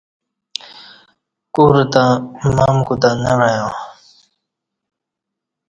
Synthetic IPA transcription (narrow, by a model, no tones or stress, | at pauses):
kuɾt̪ãmaːmkut̪anaɾajõː